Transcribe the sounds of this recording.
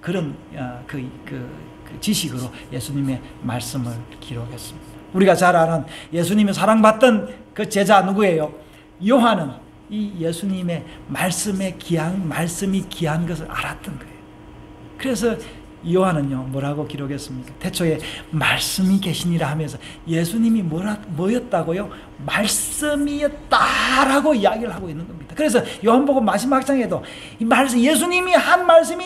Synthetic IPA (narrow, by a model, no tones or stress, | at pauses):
kɯɾʌnkɯkɯ | kɯt͡ɕiɕʰiɡɯɾo | je̞sʰuɲime̞ | maɭs͈ɯmɯɭkiɾoɡe̞s͈ɯmɲid̥auɾiɡat͡ɕaɾaɾanje̞sʰuɲimis̬ʰaɾaŋbat̚t͈ɯnkɯt͡ɕe̞d͡ʑanuɡue̞jo | joɦanɯn | ije̞sʰuɲime̞maɭs͈ɯme̞kianmaɭs͈ɯmikiɦanɡʌs̬ʰɯɾa̰ɾat̚t͈ɯnɡʌejo | kɯɾe̞s̬ʰʌ | joɦanɯnjomʌɾaɡokiɾoɡes͈ɯmɲikatʰe̞t͡ɕʰoe̞maɭs͈ɯmike̞ɕʰiɲiɾaɦamjʌns̬ʰʌ | jesʰuɲimimʌɾamʌjʌt̚t͈aɡojo | maɭs͈ɯmijʌt̚t͈aɾaɡoijaɡiɾɯɭɦaɡoinːɯnɡʌmɲid̥akɯɾe̞s̬ʰʌjoɦanboɡomas̬ʰɯmhak̚s͈aŋe̞do | imaɭs̬je̞s̬ʰuɲimihanmaɭs̬͈ɯmi